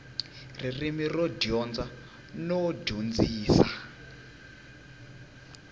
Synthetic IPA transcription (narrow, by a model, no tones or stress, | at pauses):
ririmirɔɟjɔnd͡za | nɔɟund͡ziːsa